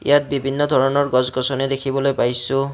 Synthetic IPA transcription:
ḭjat̚bibʱinːɔd̪ʱɔɹɔnɔɹɡɔzɡɔsɔnɛdekʰibɔlojpajsʊ̃

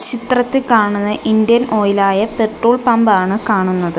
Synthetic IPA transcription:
t͡ɕit̪rɐt̪ːikaːɳunːɐʔind̪jɐnʔo̞ːjilaːjɐpe̞ʈroːɭpɐmbaːɳɨkaːɳunːɐðɨ

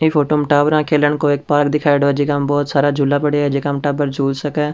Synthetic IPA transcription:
eːpʰoːʈoːməʈaːbɾãːkʰeːləɳkoːɪk̚paːɾkd̪iːkʰaːɪɖoːəd͡ʒiːkəmbɔːt̪saːɾaːd͡ʒʱuːlaːpəɽiaːəd͡ʒiːkəmʈaːbəɾd͡ʒuːlsəkɛː

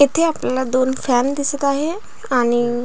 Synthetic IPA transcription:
ɪt̪ʰeaːpnlad̪oːnfʰɛːnd̪ɪsət̪aːɦe | añi

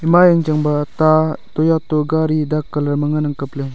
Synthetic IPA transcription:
jəmajaŋt͡ʃaŋbat̪at̪ojat̪oɡaɾid̪akːəlarməŋənaŋkəp̚le

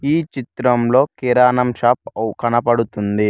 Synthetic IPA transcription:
iːt͡ʃit̪ɾɐmlo̞ːkiɾaːnɐmʃaːp̚kɐnɐpɐɽut̪und̪i

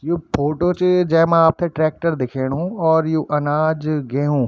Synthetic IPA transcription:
juːpʰoːʈoːt͡ʃd͡ʒɛɦmãaːp̚t̪ʰẽʈɾɛːk̚ʈəɾd̪ɪkʰeːɽ̃ɦũɔːɾjuːʔɐnaːd͡ʒɡeɦũː

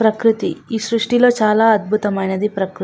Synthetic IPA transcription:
pɾɐkɾit̪iiːsɾuʂʈilo̞ːt͡ʃaːlaːɐd̪̚bʱut̪ɐmɐjnɐd̪ipɾɐkɾ

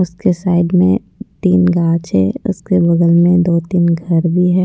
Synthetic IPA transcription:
ʊskesaːɪd̪mḛ̃ | t̪iːnɡãːt͡ʃɦɛ̰ːʊ̰skebɐɡəlmẽd̪oːt̪iːnɡʱɐɾbʱiɦɛː

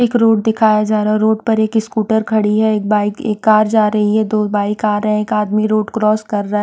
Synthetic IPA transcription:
eːkɾoːʈ̚d̪ɪkʰaːjad͡ʒaːɾaɦɛɾoːʈ̚pɐɾeːkɪskuːʈəɾkʰɐɽiɦɛeːk̚baːɪkḛːkːaːɾd͡ʒaːɾɐɦiɦɛd̪oːbaːɪkaːɾɐɦɛ̃eːkaːd̪miɾoːʈkɾɔːskɐɾːɐɦɛ

